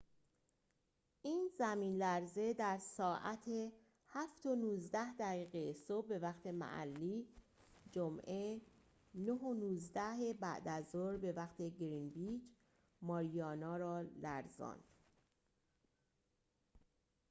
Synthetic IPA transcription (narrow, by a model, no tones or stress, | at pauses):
ʔiːnzæmiːnlæɾze̞d̪æɾsɒːʔæt̪ʰe̞ | hæft̪o̞nuːzd̪æhd̪æɣiːɣejesobːe̞væχt̪ʰe̞mæ̰ʔæ̰lːiː | d͡ʒomʔe̞ | noɦonuːzd̪æɦe̞bæ̰ʔd̪æzoɾbe̞væχt̪ʰe̞ɡɾinbid͡ʒ | mɒːɾijɒːnɒːɾɒːlæɾzɒ̰ːnd̪̥